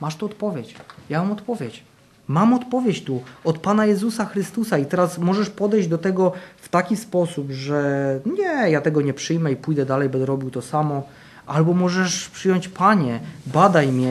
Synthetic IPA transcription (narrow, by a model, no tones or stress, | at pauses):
maʂt̪uɔt̪pɔvʲjet͡ɕjamamɔt̪pɔvʲjet͡ɕ | mamɔt̪pɔvʲjet͡ɕt̪uɔt̪panajɛzusaxɾɘst̪usait̪ɛɾasmɔʐɛʂpɔd̪ɛjʑd͡ʑd̪ɔt̪ɛɡɔft̪akʲispɔsupʐɛɲɛjat̪ɛɡɔɲɛpʂɘjmɛipujd̪ɛd̪alɛjbɛɾɔbʲiwt̪ɔsamɔ | ʔalbɔmɔʐɛʂpʂɘjɔɲt͡ɕpaɲɛbad̪ajmʲɲɛ